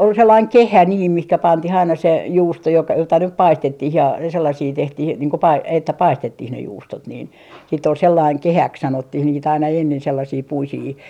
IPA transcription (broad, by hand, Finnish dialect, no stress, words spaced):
ol selːɑiŋ kehæ niːm mihkæ pɑntih ɑinɑ se juːsto jok jotɑ nyp pɑistetːih jɑ selːɑsiː tehtih niːŋ ko pɑi etːæ pɑistetːih ne juːstot niːn siːtː ol selːɑiŋ kehæks sɑnotːih niːt ɑinɑ enːen selːɑsiː puisiː